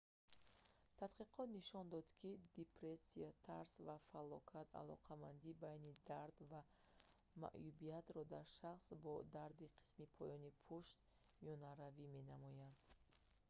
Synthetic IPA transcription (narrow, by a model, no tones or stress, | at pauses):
t̪ʰat̪qiqʰɔt̪niʃɔnd̪ɔd̪kʰid̪epɾesiat̪ʰaɾsvafalɔkʰat̪ʰa̰lɔ̰qʰamand̪ibajnid̪aɾd̪va | ma̰ʔjubiat̪ɾɔd̪aɾʃaχsbɔd̪aɾd̪iqʰi̥smipʰɔjɔnipʰuʃt̪̚ | miɔnaɾavime̞namɔjand̪